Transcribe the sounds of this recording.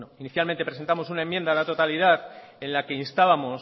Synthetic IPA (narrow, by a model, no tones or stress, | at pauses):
noiniθjalment̪e̞pɾse̞nt̪amo̞sunaemːje̞nd̪alat̪o̞t̪alið̞aðe̞nlake̞inst̪aβamo̞s